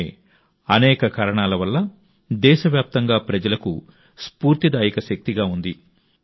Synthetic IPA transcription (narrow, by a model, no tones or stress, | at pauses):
ɐnɛːkɐkaːɾɐɳaːlɐʋɐlːɐ | d̪ɛːʃɐʋjaːp̚t̪ɐŋɡaːpɾɐd͡ʒɐlɐku | spuːɾt̪id̪aːjikɐʃɐk̚t̪iɡaːund̪i